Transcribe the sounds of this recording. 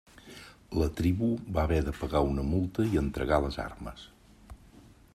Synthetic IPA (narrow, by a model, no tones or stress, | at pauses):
lət̪ɾiβubaβɛðəpəɣaunəmulˠt̪əiənt̪ɾəɣaləza̰rmə̰s